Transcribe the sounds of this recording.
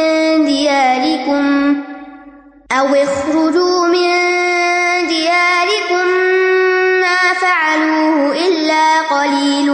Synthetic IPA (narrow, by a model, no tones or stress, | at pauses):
d̪ɪjaːlɪkʊm | ʔawʔɪxɾʊd͡ʒuːmɪn | d̪ɪjaːɾɪkʊmː | aːfaʕaluːhʊʔɪlːaːqɑliːl